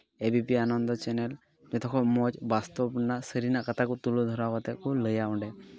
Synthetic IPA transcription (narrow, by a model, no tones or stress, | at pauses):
ebipianɔnd̪ɔt͡ʃɛnɛl | mɛt̪ʰɔkʰɔmɔt͡ʃbast̪ɔpnːasəɾinakət̪ʰakut̪ulud̪ʱɔɾaʋat̪ekuləjauɳɖɛ